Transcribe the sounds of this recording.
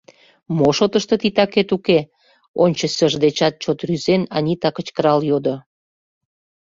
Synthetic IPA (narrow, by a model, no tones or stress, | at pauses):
moʃot̪əʃt̪ət̪it̪ɑket̪uke | onʲt͡ɕə̆səʒd̪et͡ɕɑt̪̚t͡ɕot̪ryzenɑnʲit̪ɑkət͡ɕkəɾɑljod̪o